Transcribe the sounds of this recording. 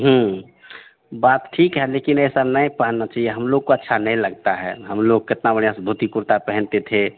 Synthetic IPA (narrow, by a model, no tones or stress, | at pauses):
ɦə̃ | baːt̪ʈʰikɦɛleːkɪnɛsanəĩpaɦnːat͡ʃaːɦijeɦəmloɡ̚koətːʃʰanəɦĩləɡ̚t̪aɦɛ̰ɦəmloɡ̚kɪt̪nabəɽjasb̪ʱut̪ipuɾt̪apɛɦə̃nt̪et̪ʰe